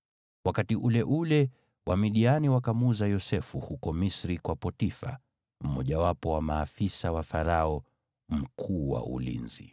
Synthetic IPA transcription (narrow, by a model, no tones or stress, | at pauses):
wakatiʔulɛʔulɛ | wʔamiɗianiwakamuzajɔsɛfuhukɔmisɾikwapɔtifa̰ | m̩mɔʄawapɔwamaːfisawafaɾaɔ | m̩kʰuːwa̰ṵlḭnzḭ